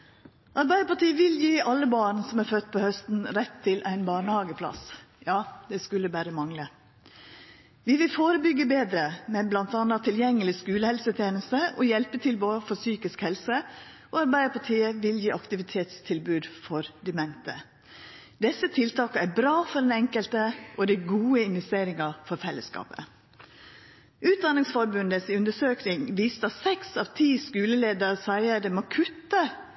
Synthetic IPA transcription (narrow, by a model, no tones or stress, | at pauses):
ʔɑɾbæɪəpɑʈʰiːəʋɪljiːʔɑlːəbɑːɳɳsɔmæɾfœt̪ːpʰoːhœst̪n̩ɾɛt̪ʰːɪlʔæɪnbɑːɳəhɑːɡəpʰlɑ̰sjɑːd̪̥ɛskʉlːəbæːɾəmɑŋlə | ʋɪʋɪlfoːɾəbʏɡːəbeːd̪ɾəmɛblɑnt̪ɑnɑt̪ʰɪljɛŋːəlɪskʉːləhɛlsət̪ʰjeːnəst̪əʔɔjɛlpət̪ʰɪlboːfɔsyːkɪskhɛlsə | ʔɔɑɾbæɪəpʰɑʈʰiːəʋɪljiːʔɑkt̪ɪʋɪt̪ʰeːt̪st̪ʰɪlbʉːd̪fɔɾd̪ɛmɛnt̪ə̰ | d̪ɛsːət̪ʰɪlt̪ʰɑːkɑæɾbɾɑːfɔɖ̪ɛnɛŋkəlt̪əʔɔd̪ɪɡuːəɪnʋɛst̪eːɾɪŋɑfɔɾfɛlːəskɑ̰ːpə̰ | ʔʉːt̪̚d̪ɑnɪŋsfɔɾbʉnd̪əsʉnd̪əsøːknɪŋʋiːst̪ɑsɛksɑʋt̪ʰiːskʉːləleːd̪əɾsæɪəd̪ɛmɑkʰʉt̪ːə